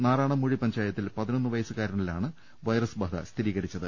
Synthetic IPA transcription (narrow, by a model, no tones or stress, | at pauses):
naːɾaːɳɐmːuɻipɐɲd͡ʑaːjɐt̪ːilpɐðino̞nːɨʋɐjɐsɨkaːɾɐɳɐɭilaːɳɨ | ʋɐjrɐsbɐd̪ɐ̰st̪ʰiɾiːɣɐɾit͡ɕːɐðɨ